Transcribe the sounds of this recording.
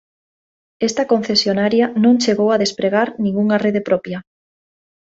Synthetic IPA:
est̪ɐkõn̟θesjonaɾjanõŋt͡ʃeɣowaðespɾeɣ̞aɾnĩŋɡuŋareðepɾɔpja

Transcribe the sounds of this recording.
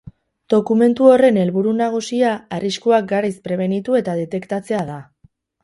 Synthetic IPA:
d̪̥o̞kume̞nt̪uo̞re̞ne̞lβuɾunaɣ̞usiaariskuak̚ɡaɾajspɾe̞β̞e̞nit̪ue̞t̪aðe̞t̪e̞kt̪at͡se̞aða

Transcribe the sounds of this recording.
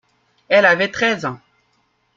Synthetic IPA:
ɛlavɛt̪χɛzɑ̃

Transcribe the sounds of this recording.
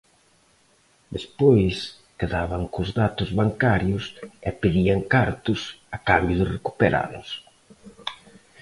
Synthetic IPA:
d̪espojs | keðaβaŋkʊzðat̪ʊzβaŋkaɾjʊsɛpeðiaŋkaɾt̪ʊsakambjʊðɪreku̥peɾʔa̰ðʊ̰s

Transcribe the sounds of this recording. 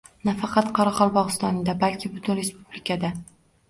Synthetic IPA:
nafɑqɑt̪qʰɑɾaqɒlˠbɒʁɨst̪ɒnɪd̪abalkʲʰɪbʊt̪ʰʊnɾe̞spublɪkʰad̪a

